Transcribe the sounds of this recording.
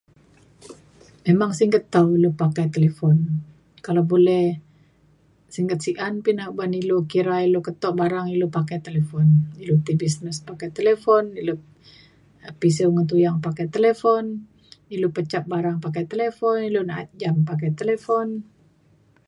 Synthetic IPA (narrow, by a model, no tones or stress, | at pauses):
memaŋsiŋɡət̪ːawilopakajt̪elefɔn | kalawbolɛh | siŋɡət̪̚siʔanpinaʔbanilokiɾailokət̪ɔʔbaɾaŋilopakajt̪elefɔnilot̪ibisnəspakajt̪elefɔnilo | pisiuŋənt̪̬ujaŋpakat̪elefɔn | ilopət͡ʃap̚baɾaŋpak̬ajt̪elefɔnilonaa̰t̪̚d͡ʒampak̬at̪elefɔn